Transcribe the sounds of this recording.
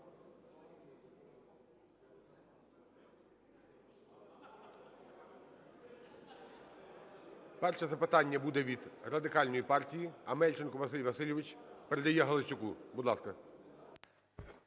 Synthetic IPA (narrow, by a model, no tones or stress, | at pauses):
pɛrʃɛzɐpɪt̪ɑnʲːɐbud̪ɛʋʲid̪rɐd̪ɪkɑlʲnɔjipɑrtʲijiɐmɛlʲt͡ʃɪnkʊʋɐsɪlʲʋɐsɪlʲɪʋɪt͡ʃʲpeɾɛd̪ɐjɛɦɐlˠot͡ʃʲʊkubud̪lˠɑskɐ